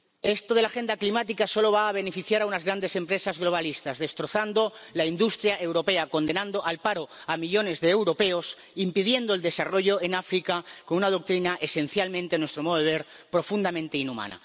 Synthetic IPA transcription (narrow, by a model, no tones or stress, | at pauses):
e̞st̪oð̞e̞laxe̞nd̪aklimat̪ikaso̞lo̞β̞aːβ̞e̞ne̞fiθjaɾaunazɣɾand̪e̞se̞mpɾe̞sazɣlo̞β̞alist̪azðe̞st̪ɾo̞θand̪o̞laind̪ust̪ɾjaʔe̞wɾo̞pe̞ako̞nd̪e̞nãnd̪oʔalpaɾo̞amiʎo̞ne̞zðeːwɾo̞pe̞os | impiðje̞nd̪oeld̪e̞saro̞ʝo̞e̞nafɾikako̞nunað̞o̞k̚t̪ɾinaʔe̞sẽ̞n̟θjalmẽnt̪enwest̪ɾo̞moðoeβe̞ɾ | pɾo̞fund̪amẽnt̪e̞inuma̰na̰